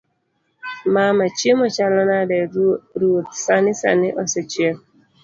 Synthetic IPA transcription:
mamat͡ʃiemɔt͡ʃalanadeɾuotsanɪsa̰nɪʔɔsɔt͡ʃie

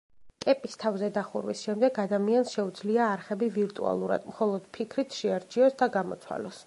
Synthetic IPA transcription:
kʼɛpʼist̪ʰavzɛd̪aχuɾwisʃɛmd̪ɛɡad̪amiansʃɛud̪zliaːɾχɛbiviɾt̪ʼṵa̰lˠuɾa̰d̪̥mχɔlˠɔd̪̥pʰikʰɾit̪ʰʃɛaɾt͡ʃʰiɔsd̪aɡamɔ̰t̪sʰwa̰lɔs

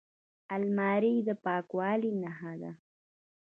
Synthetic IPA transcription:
almɑɾid̪əpɑkwɑːlinaɦad̪a̰

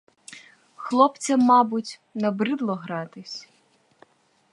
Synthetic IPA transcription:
xlˠɔpt͡sʲɐmːɑbʊtʲnɐbɾɪd̪lˠɔɦɾɑt̪ɪsʲ

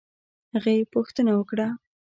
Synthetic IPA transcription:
haɣəjepuxt̪ənawəkɽa

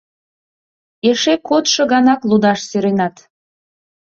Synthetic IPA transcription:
eʃekot̪ʃɤ̆ɣɑnɑklud̪ɑʃsyɾenɑt̪

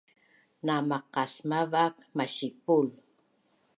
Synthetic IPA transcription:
namaqasmaβakmaʃɪpʊl

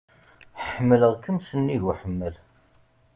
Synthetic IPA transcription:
ħəmːələʁkəmsənːiʝwħəmːəl

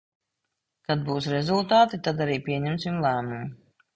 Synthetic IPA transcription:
kad̪̚buːsɾɛzulˠt̪aːt̪it̪ad̪aɾiːpʲiɛɲɛmsimlˠæːmumu

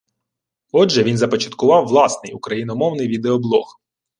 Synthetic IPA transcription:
ɔdʒɛʋinzɐpɔt͡ʃɐ̥t̪kʊʋɑwːlˠɑsnɪjukɾɐjinɔmɔwnɪjʋʲid̪eɔblˠɔ̰x

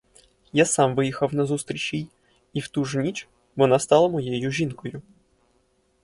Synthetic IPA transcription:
jasɑmʋɪjixɐwnɐzust̪ɾʲit͡ʃʲij | iwt̪uʐnʲit͡ʃ | ʋɔnast̪ɑlˠɐmɔjejʊʒʲinkɔjʊ

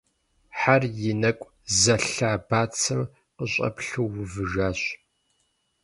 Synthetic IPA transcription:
ħarjɪnɐkʷʼ | zɐɬaːbaːt͡sʰɨm | qəɕʷʼɐ̰pɬuwʊvɨʒaːɕ

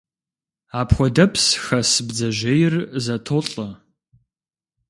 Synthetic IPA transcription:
aːpʰxʷɔdɐpʰsxɐsɨbd͡zɐʒejɪrzɐtʰoɬʼɐ

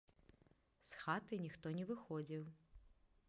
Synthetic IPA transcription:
sxat̪ɨnʲixt̪ɔnʲɛvɨxɔd͡zʲiw

